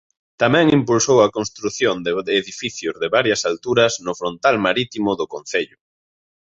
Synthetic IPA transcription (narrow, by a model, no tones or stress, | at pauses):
t̪amɛ̃ŋimpulsowɐkonst̪ɾuθjond̪eːðifiθjʊzðɪβaɾjɐsalt̪uɾɐznʊfɾont̪almaɾit̪imʊðʊkon̟θeʎʊ